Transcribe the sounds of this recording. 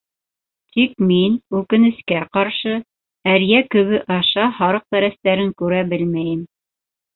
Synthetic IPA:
t̪ʰikminʉkɘ̆nɘ̆skæqɑɾʃɤ | æɾjækɵ̆βɘʔɑʃɑhɑɾɤq̚t̪æɾæst̪æɾɘŋkʉɾæbɘlmæjɘm

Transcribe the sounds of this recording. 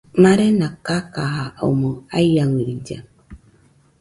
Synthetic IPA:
maɾenakakaɦao̰moajjawiɾid͡ʒa̰

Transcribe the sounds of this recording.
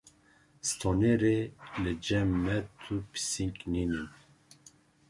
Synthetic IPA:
st̪ʰoneɾelɨd͡ʒɛmːɛt̪ʰupʰi̥siŋkʼninin

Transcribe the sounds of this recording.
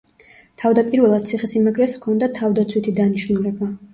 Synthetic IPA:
t̪ʰavd̪apʼiɾvɛlˠad̪̚t̪sʰiχɛsimaɡɾɛskʰɔnd̪at̪ʰavd̪at̪sʰwit̪ʰid̪aniʃnulɛba

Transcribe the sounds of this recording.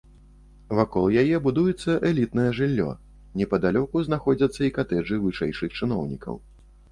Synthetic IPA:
vakɔlˠjajɛbud̪ujɛt̪sːɐʔɛlʲit̪nɐjɛʐɨlʲːɔ̰ | nʲɛpɐd̪alʲɔkuzn̪axɔd͡zʲɐt̪sːɐikat̪ɛʐɨvɨʂɛjʂɨxt͡ʂɨnɔwnʲikɐ̰w

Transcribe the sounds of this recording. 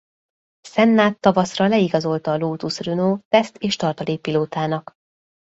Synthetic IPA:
sɛnːaːt̪ːɒvɒsrɒlɛiɡɒzo̞lt̪ɒːloːt̪usrynoːt̪ɛst̪eːʃt̪ɒrt̪ɒliːpiloːt̪aːnɒk

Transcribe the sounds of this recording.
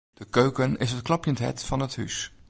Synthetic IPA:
d̥əkøɥkənɪsɦətklɑpjəntɦɛ̰tfɑnətɦys

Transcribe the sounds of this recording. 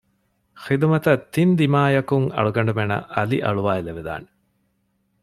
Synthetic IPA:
xid̪umɐt̪ɐt̪ːind̪imaːjɐkuŋɐ̰ɭuɡɐɳɖumenɐ̰ʔɐlḭʔɐɭuʋaːileʋed̪a̰ːne̥

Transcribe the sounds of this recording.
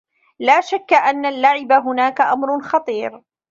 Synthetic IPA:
laːʃakːaʔanːalːaʕɪbaɦʊnaːkaʔamɾʊnxɑt̪ˤiːɾ

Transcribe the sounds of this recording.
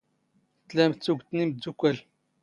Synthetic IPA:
t̪læmt͡sːuɡʷt̪nimd̪ːukʷːæl

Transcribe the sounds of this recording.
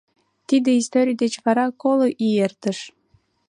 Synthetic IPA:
t̪id̪eist̪oɾʲijd̪et͡ɕβɑɾɑkoloʔiert̪ə̆ʃ

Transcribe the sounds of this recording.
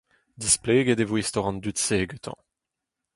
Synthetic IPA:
d̪ispleːɡedevwist̪ɔʁɑ̃nd̪ytseːɡøt̪ʰɑ̰̃

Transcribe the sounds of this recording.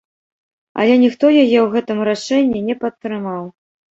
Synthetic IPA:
ɐ̰lʲɛnʲixt̪ɔjajɛwɣɛt̪ɨmɾaʂɛnʲːinʲɛpɐt̪ːɾɨmaw

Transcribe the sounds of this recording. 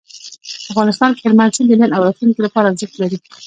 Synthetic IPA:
afɣɑnɪst̪ɑnkɪɾmansid̪əlanawɾɑt̪luŋkolapɑɾazəklaɾi

